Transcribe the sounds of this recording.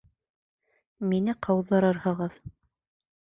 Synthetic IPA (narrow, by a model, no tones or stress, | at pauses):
minɘqʰɑwðːɑɾɤɾhɤ̆ʁɤð